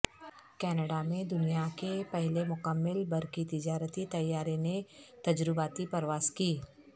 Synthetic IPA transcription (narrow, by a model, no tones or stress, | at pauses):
kɛːnəɖamẽd̪ʊnijakepɛɦlemʊkəmːɪlbɐɾkit̪ɪd͡ʒaːɾət̪it̪ɐjːaːɾenet̪ɐd͡ʒɾɪbaːt̪ipɐɾʋaːskiː